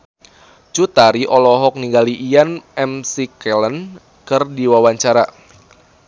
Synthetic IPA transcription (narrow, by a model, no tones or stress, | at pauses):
t͡ʃut̪aɾiʔɔlɔɦɔk̚niŋɡaliʔːjanɛmsikɛlən | kɨrdiwawaɲt͡ʃaɾa